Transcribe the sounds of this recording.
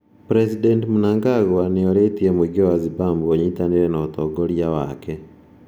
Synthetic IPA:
pɾɛsidɛntmunaŋɡaɣɔaneoɾetiemeɡioazibambuoɲitaneɾɛnɔːt̪ɔɡoɾjawa̰kɛ

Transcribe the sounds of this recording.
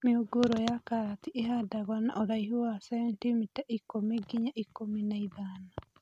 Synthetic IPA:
meoɡoɾɔjakaɾat̪iʔeɦadaɣwana̰ʔɔɾaiɦowasɛβɛntimitaʔikomiɡiɲaʔikːominaiðaːna

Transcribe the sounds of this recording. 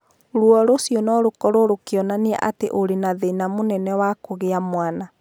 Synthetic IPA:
ɾuɔɾosjɔnɔɾokɔɾoɾokeɔnaneɛ̰ʔateʔoɾenaðeinamonɛnɛwakoɣeamwana

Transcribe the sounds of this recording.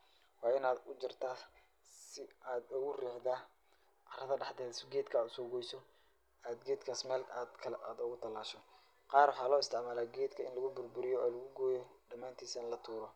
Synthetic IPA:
wɑːɪnaːd̪ʊt͡ʃɪrt̪ʰaː | sɪaːd̪ʊɣʊrɛːħd̪aː | ʔɑrɐðɐɖɑħd̪ɛːðsɪɡɛːd̪kʰɐaːd̪ʊsɔɡɔjsɔ | aːd̪ɡɛːd̪kʰaːsmɛːlad̪kʰɐaːd̪ʊɣʊt̪ʰɐlːaːʃɔ | qɑːrwɑħɑːlɔːɪst̪ʰɪʕmaːlaːɡɛːd̪kʰɐɪnlɐɣʊbʊrbʊɾɪjɔɔːlɐɣʊɡɔːjɔɖɐmaːnt̪ʰiːsɐnlɐt̪ʰuːɾɔ

